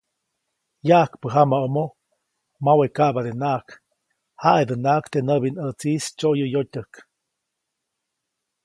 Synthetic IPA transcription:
jaʔkpəɦamaomo | mawekaʔbad̪enaʔk | haʔed̪ənakt̪enəβinət͡sist͡ʃoʔjəjotʲək

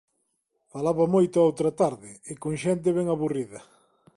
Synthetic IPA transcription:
falaβɐmojt̪ʊaowt̪ɾɐt̪aɾðɪɪkoŋʃɛnt̪̬ɪβɛŋaβuriðɐ

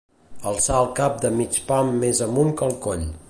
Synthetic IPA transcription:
əlˠsaəlˠkap̚d̪əmit͡ʃpamːezəmuŋkəlˠkoʎ

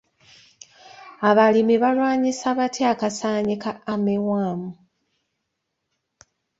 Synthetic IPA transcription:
aβalimiβalwaːɲisaβatʰeakasaːɲikaːmewaːmu

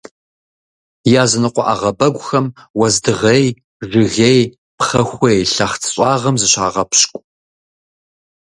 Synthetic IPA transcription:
jaːzɨnɨqʷɔʔa̰ʁɐbɐɡʷʼxɐmwɐzdɨʁej | ʐɨɣej | pχɐxʷejɬɐχt͡sʰɕʷʼɑːʁɐmzɨɕaːʁɐpʰɕkʷʼ

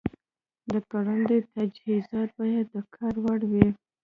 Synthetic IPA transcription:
d̪əkaɽand̪et̪ad͡ʒhizɑt̪̚bɑjad̪ːəkʰɑɾwaɽwi

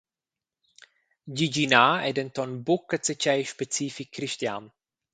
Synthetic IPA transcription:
ɟiɟinaːɛdɛnt̪ɔnbʊkːət͡sət͡ʃɛjʃpɛt͡siːfikʰːɾiʃtja̰ːn

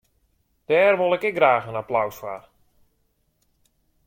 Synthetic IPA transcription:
d̥ɛːrʋolˠɪkɛk̚ɡraːxənaplawswa̰r

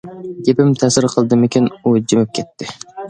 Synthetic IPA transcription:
d̪ʲepɪmt̪ʰɛsɪɾqʰəlˠd̪ɨmɪkʲinud͡ʒemɪp̚kʲʰɛt̪ʰːɪ

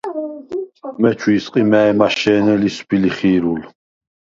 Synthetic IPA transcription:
mɛt͡ʃʰwiːsqʼimɛɛmaʃɛːnɛlisbiliχiːɾul

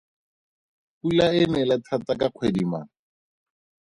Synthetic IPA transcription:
pulaɪnɛlatʰat͡sakaq͡χʰwedima̰

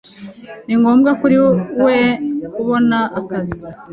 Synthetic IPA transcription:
niŋɡo̞ːmɡakuɾiwekuβo̞naʔːkazi̥

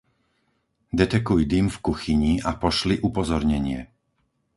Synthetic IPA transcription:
d̪ɛt̪ɛkujd̪imfkuxiɲiapɔʃliʔupɔzɔɾɲɛɲɪɛ

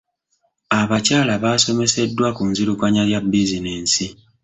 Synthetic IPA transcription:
aβacaːlaβaːso̞me̞se̞dːwakunziɾukwaɲaljabːizineːnsi

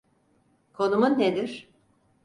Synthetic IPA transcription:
kʰo̞numunːed̪iɾ̥

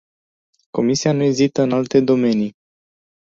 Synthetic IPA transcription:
ko̞misianue̞zit̪əɨnalt̪e̞d̪o̞me̞ni

